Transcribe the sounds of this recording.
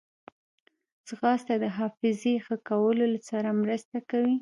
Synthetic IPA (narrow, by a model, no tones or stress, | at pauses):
sɣɑst̪ad̪əɦɑfɪzexəkawəlolasɑɾamɾəst̪akawi